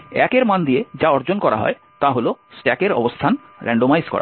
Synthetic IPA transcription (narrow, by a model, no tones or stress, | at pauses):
ɛkeɾmand̪ied͡ʑaɔɾd͡ʑonkɔɾa̰ɦɔ̰e | t̪aɦolosʈɛkeɾɔ̰bost̪ʰan | ɾɛ̰ɳɖomajzkɔ̰ɾa̰